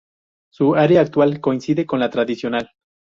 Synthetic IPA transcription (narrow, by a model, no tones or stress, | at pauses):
suaɾeaːk̚t̪walko̞insiðeko̞nlat̪ɾaðisjonal